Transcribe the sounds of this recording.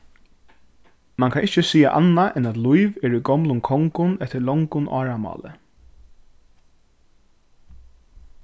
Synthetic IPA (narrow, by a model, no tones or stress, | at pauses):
maŋkʰanɪht͡ʃəsiːa̰ʔa̰nːaʔɛnat̪lujvɛːɾujɡɔmlʊnkʰɔŋkʊnɛht̪ːɪɭɔŋkʊnʔa̰ːɹamɑ̰ːlə̰